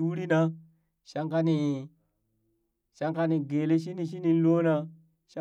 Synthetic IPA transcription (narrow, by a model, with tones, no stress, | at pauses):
wu˦ɾi˦na˦ | ʃa˦ŋka˦ni˨ | ʃa˦ŋka˦ni˨ɡe˨le˦ʃ̬i˦ni˨ʃ̬i˦ni˦˨n˦lo˦na˦ | ʃa˦